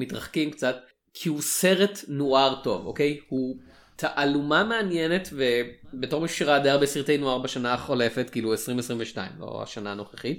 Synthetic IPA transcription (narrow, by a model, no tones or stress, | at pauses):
mitʁaχkimkt͡sat | kʰihuse̞ʁetnoaʁto̞vo̰kejhu | tʰaʔalumameanjenetve̞beto̞ʁmiʃʃiʁad̪aaʁbesiʁt̪ejnoaʁbeʃanaχo̞le̞fetkiːluesʁimesʁimveʃta̰ḭmlo̰a̰ʃanaːno̞χeχit